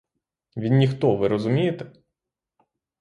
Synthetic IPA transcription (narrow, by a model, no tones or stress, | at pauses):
ʋʲinːʲixt̪ɔʋɪɾɔzʊmʲijet̪ɛ